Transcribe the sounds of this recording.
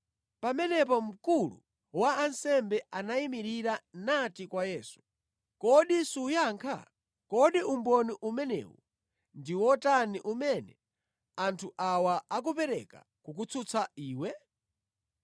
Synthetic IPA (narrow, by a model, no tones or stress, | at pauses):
pamɛnɛp̬ɔm̩kulṵ | waːnsɛmbɛanaimiɾiɾanatikwajɛːsu̥ | kɔɗisujaŋkʰa̰ | kɔɗiumbɔniʔumɛnɛ̰ːwu | ndiwɔtaniʔumɛnɛ | antʰuʔawaak̬upɛɾɛka̰ | kukut͡sʰut͡sʰaiːwɛ